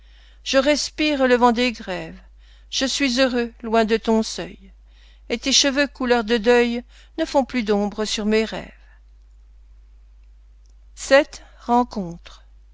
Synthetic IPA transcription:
ʒ̥əʁɛspiʁələvɑ̃d̪eɡʁɛv | ʒ̥əsɥizøʁølwɛ̃d̪ət̪ɔ̃sœj | et̪eʃəvøkulœʁd̪əd̪œj | nəfɔ̃plyd̪ɔ̃bʁəsyʁmeʁɛ̰ːv | sɛt̪ | ʁɑ̃kɔ̃t̪χ

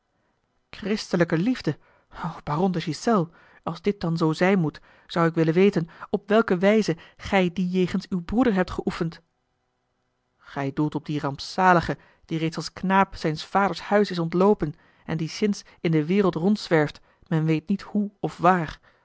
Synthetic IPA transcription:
krɪstələkəlivdə | owb̥aːrɔndəʃisɛlˠ | ɑlˠzdɪt̚d̥ɑnzowzɛjnmut | z̥ɑwɪkʋɪlənʋejtənɔpʋɛlˠkəʋɛjzəχɛjdijejχənsywbrudəɹɦɛp̚tχəʔufənt | χɛjdulˠtɔb̚dirɑmpsaːləχə | d̥irejtsɑlˠsknaːpsɛjnsfaːdəɹshœɥsɪsɔntlowpən | ɛndisɪns | ɪndəʋɪːrəlˠtrɔntsʋɛɹft | mɛnʋejt̚nithuɔfʋaːr

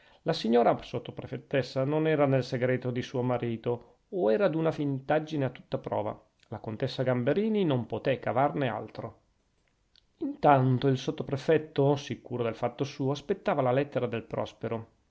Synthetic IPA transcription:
lasiɲːoːɾasot̪ːopɾefet̪ːesːanonɛːɾanelseɡɾɛːt̪od̪isuːomaɾiːt̪oː | ɛːɾad̪unafint̪ad͡ʒːineat̪ːut̪ːapɾɔ̰ːva̰ | lakont̪esːaɡambeɾiːninompot̪ɛkavarnea̰lt̪ɾo | int̪ant̪oilsot̪ːopɾefɛt̪ːosikuːɾod̪elfat̪ːosuːoaspet̪ːaːvalalɛt̪ːeɾad̪elpɾɔ̰speɾo

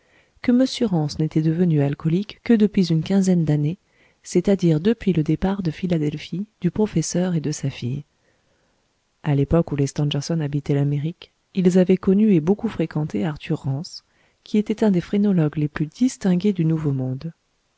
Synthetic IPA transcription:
kəməsjəʁɑ̃snet̪ɛd̪əvənyalkɔlikːəd̪əpɥizynkʲɛ̃zɛnd̪ane | set̪ad̪iʁd̪əpɥiləd̪epaʁd̪əfilad̪ɛlfid̪̥ypχɔfɛsœʁed̪əsafij | alepɔkulest̪ɑ̃ʒɛʁsɔnabit̪ɛlameʁik | ilzavɛkɔnyebokufχekɑ̃t̪eaʁt̪ʰyʁːɑ̃s | kʲiet̪ɛt̪ɛ̃d̪efχenɔlɔɡleplyd̪ist̪ɛ̃ɡʲed̪ynuvomɔ̃d̪

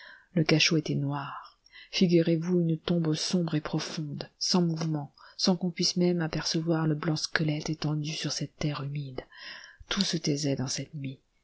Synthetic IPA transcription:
ləkaʃoet̪ɛnwaʁ | fiɡʲyʁevuynt̪ɔ̃bsɔ̃bʁepχɔfɔ̃d̪sɑ̃muvmɑ̃sɑ̃kɔ̃pɥismɛmapɛʁsəvwaʁləblɑ̃skəlɛt̪et̪ɑ̃d̪ysyʁsɛt̪ːɛʁymid̪t̪usət̪ɛzɛd̪ɑ̃sɛt̪mi

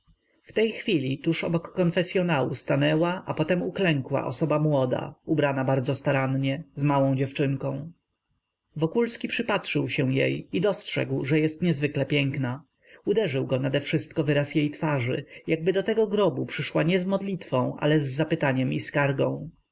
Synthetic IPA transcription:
ft̪ɛjxfʲilʲit̪uʂɔ̰bɔkːɔnfɛsʲjɔnawṵst̪anɛwaʔapɔt̪ɛmuklɛŋkwa̰ʔɔ̰sɔbamwɔd̪a̰ubɾanabaɾd̪zɔst̪aɾanɲɛzmawɔ̃w̃d͡ʑɛft͡ʂɘŋkɔ̃w̃ | vɔkulskʲipʂɘpatʂɘwɕɛw̃jḛjid̪ɔstʂɛ̰ɡwʐɛjɛst̪ɲɛzvɘklɛpʲjɛŋkna | ud̪ɛʐɘwɡɔnad̪ɛfʂɘst̪kɔvɘɾasjejt̪faʐɘ̰jaɡ̚bɘd̪ɔt̪ɛɡɔɡɾɔbupʂɘʂwaɲɛzmɔd̪lʲit̪fɔ̃w̃ʔa̰lɛzːapɘt̪aɲɛmiskaɾɡɔ̃w̃

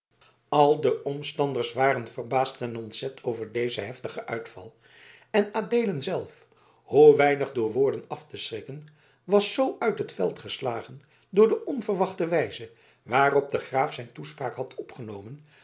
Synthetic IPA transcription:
ɑlˠdəʔɔmstɑndəɹsʋaːrənvərbaːstɛnɔntsɛtʰowvəɹdejzəɦɛftəχəʔœ̰ɥtfɑ̰lˠ | ɛnaːdejlənzɛlˠf | huʋɛjnəχdʊːɹʋʊːɹdənɑftəsrɪkən | ʋɑsːowʔœɥtɦətfɛ̰lˠtχəslaːχən | dʊːɹdəʔɔnvərʋɑχtəʋɛjzə | ʋaːrɔp̚dəχraːfsɛjntuspraːkɦɑtʰɔpχənowmən

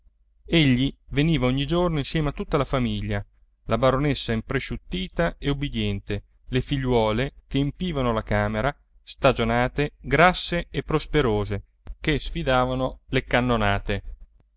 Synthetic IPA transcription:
eʎːiveniːvaoɲːid͡ʒornoinsjɛːmeat̪ːut̪ːalafamiʎːa | labaɾonesːaimpɾeʃut̪ːiːt̪aeubːid̪jɛnt̪e | lefiʎːwɔːlekeːmpiːvanolakaːmeɾa | st̪ad͡ʒonaːt̪eɡɾasːeepːɾospeɾoːze | kesfid̪aːvanolekanːonaːt̪e

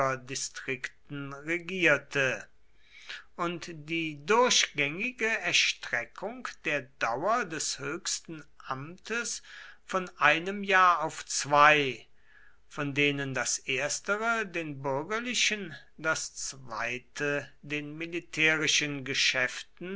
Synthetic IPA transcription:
ɐdistʁ̥ɪktn̩ʁeɡiːɐtʰə | ʔʊntd̥iːdʊɐɕɡ̥ɛŋɪɡəɛɐʃtʁ̥ɛkʰʊŋkd̥eːɐdawɐdɛshøːçstn̩ʔamtʰəsfɔnʔaɪnəmjaːɐaʊft͡sv̥aɪ | fɔndeːnəndasʔeːɐstəʁədeːnbʏɐɡɐlɪʃən | dast͡sv̥aɪtʰədeːnmilitʰɛːʁɪʃənɡəʃɛftn̩

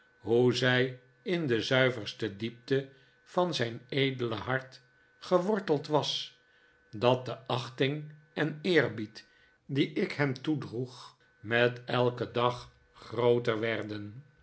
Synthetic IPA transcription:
ɦuzɛj | ɪndəzœɥvəɹstədip̚tə | v̥ɑnzɛjnejdələɦɑɹt | χəʋɔɹtəlˠtʋɑs | dɑt̚dəʔɑχtɪŋ | ɛnɪːɹbit | diʔɪkhɛmtudruχ | mɛtɛlˠkədɑχː | rowtəɹʋɛɹdən

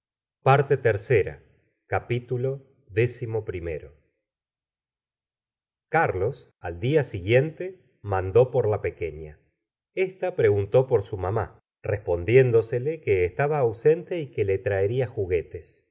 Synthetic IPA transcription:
paɾt̪e̞t̪eɾseɾa̰ | kapit̪ulo̞ | ðe̞simo̞pɾimḛɾo̞̰ | kaɾlo̞s | ald̪iasiɣje̞nt̪e | mand̪o̞po̞ɾlape̞keɲa | est̪apɾe̞ɣunt̪o̞po̞ɾsumama̰ | rʔespo̞nd̪je̞nd̪o̞selekeːst̪aβaːwse̞nt̪eikelet̪ɾaeɾiaxuɣe̞t̪e̞s

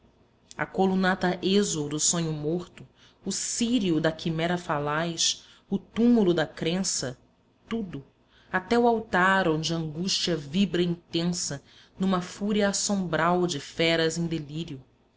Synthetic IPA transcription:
ɐ̰kolunat̪ɐʔezowd̪ʊsõɲʊmoɾt̪ʊː | siɾiʊd̪ɐkimɛɾɐfalajʃ | ʊt̪umulʊd̪ɐkɾẽsɐ | t̪ud̪ʊ | at̪ɛʊawt̪aɾõw̃d͡ʒɪɐ̃ŋɡuʃt͡ʃiɐvibɾɐĩnt̪ẽsɐ | nũmɐfuɾiɐːsõmbɾawd͡ʒɪfɛɾɐzẽj̃d̪eliɾiʊ

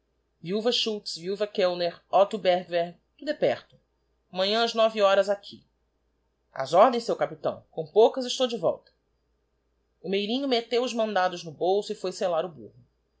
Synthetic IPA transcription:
viuwvɐʃut͡ʃsviuvɐkewneɾɔt̪ubɛɾɡveɾɡ | d̪ud̪epɛχt̪ʊ | mɐ̃ɲɐ̃ɐznɔviɔɾɐzakʰḭ | a̰zɔɾd̪ẽj̃sewkapit̪ɐ̰̃w̃kõw̃powkɐzɪʃt̪owd͡ʒɪvɔ̰wt̪ɐ̥ | ʊmejɾĩɲʊmet̪ewʊzmɐ̃nd̪ad̪ʊznʊbowsʊɪfojselaɾʊbṵhʊ

